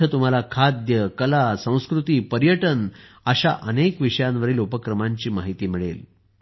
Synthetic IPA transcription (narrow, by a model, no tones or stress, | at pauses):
ət̪um̤alakʰad̪jəkəlasə̃w̃skɾut̪iːpəɾjəʈən | əɕaʔənekʋiʂəjãnʋəɾiːlupəkɾəmaɲt͡ɕiːmaɦit̪iːmiɭḛl